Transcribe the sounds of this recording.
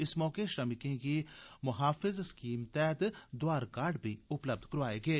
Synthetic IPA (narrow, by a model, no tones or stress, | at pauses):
ɪsmɔːkeʃɾɐmɪkẽkimʊɦaːfɪzskiːmt̪ɛːt̪d̪ʊaːɾkaːɾɖbʱiʊpləb̚d̪ʱkɐɾʋaːeːɡeː